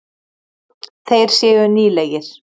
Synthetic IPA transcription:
θejɾ̥sjɛːɣʏniːlɛjɪɾ̥

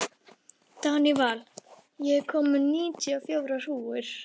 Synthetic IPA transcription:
t̪anival | jɛkʰɔmʏniːc̪ʏafjoːwɾar̥uːʏɾ̥

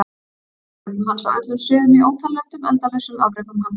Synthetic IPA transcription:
hansa̰wʔœt̪lʏmsɪːðʏmɪoːwt̪ʰalːɛht̪ʏmɛ̰nt̪aθɛsʏa̰vɾɛkʏmha

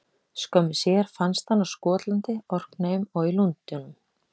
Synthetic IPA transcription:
skœmɪsjɛɾ̥fanst̪hanːawskɔːt̪lant̪ɪɔr̥kneːjmɔɣilunt̪ʏnʏm

